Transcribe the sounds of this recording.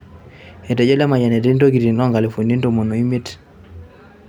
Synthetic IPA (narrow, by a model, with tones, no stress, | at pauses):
e˨tɛ˨d͡ʒɔ˦la˦ma˨ɲa˨nɛ˨te˦nto˦ki˨ɾi˨lɔ˦ŋɡa˨le˨fo˨ni˦n˦to˦˨mo˨no˨i˦me˦t